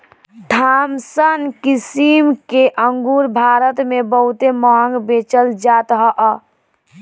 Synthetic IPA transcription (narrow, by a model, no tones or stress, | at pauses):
d̪ʱamsənkisimkeʔəŋɡuɾbʱaɾət̪mebəɦut̪eməɦə̃ŋɡbet͡ʃəld͡ʒat̪ɦəʔ